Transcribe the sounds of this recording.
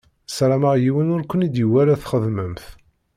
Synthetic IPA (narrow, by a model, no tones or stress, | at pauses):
sɾˤaməʁjiwənʊɾkʷənid̪jəwæɾæθχəðməmθ